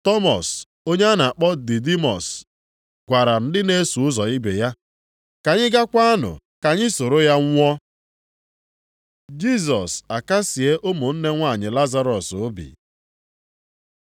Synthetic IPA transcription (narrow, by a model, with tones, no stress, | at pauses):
tɔ˦mɔ˨s | o˦ɲe˦a˦na˨a˨k͡pɔ˦dɪ˨di˦mɔ˨s | ɡ̥ʷa˨ɾa˨n̩˦dɪ˦ne˦su˨ʊ˦zɔ˨i˦be˨ja˦ | ka˨ɲɪ˦ɡa˦kʷa˦a˦nʊ̰˨ | ka˨ɲɪ˦so˨ɾo˦ja˦ŋʷ˦ɔ˦ | d͡ʒi˦s̬ɔ˨sa˨ka˦si˨e˦ʔʊ˦mʊ˨n̩˦ne˦ŋʷa˦˨ɲɪ˨la˦za˦ɾɔ˨sʊ˦bḭ˨